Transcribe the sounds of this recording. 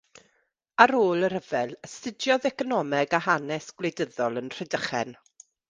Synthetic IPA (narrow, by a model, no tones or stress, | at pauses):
aɾoːlˠəɾəvɛlˠəsɪdjɔðɛkɔnɔmɛɡahanɛsɡ̥wlejdəðɔlˠənr̥ɛdəχɛ̰n